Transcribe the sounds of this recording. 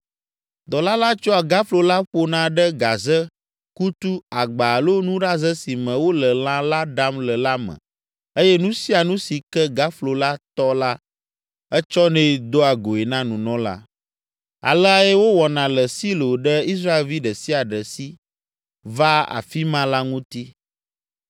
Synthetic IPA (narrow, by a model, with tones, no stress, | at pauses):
d̪ɔ˨la˦la˦t͡ʃɔ˦a˨ɡa˦flo˨la˦ɸo˦nã˨˦ɖə˦ɡa˨zə˦ | ku˦t̪u˦a˨ɡ͡ba˨lo˦nũ˦ɖa˦zə˦si˨mɛ̃˨wo˦lə˨l̃ã˦la˦ɖa˦mlə˨la˦mə̰̃˨ | e˦jɛ˦nũ˦si˦a˨nũ˦si˨kɛ˦ɡa˦flo˨la˦t̪ɔ˦la˦ | ə˦t͡ʃɔ˦nɛ̃˦˨d̪o˦a˨ɡo˨e˨nã˦nũ˨nɔ̃˦la̰˦ | a̰˨lə˦a˨jɛ˦wo˦wɔ˨nã˨lə˨si˦lo˨ɖə˦i˦s̬ɾa˦e˨lvi˦ɖə˨si˦a˨ɖə˨si˦ | va˦a̰˨fi˦mã˦la˦ŋũ˦t̪i˦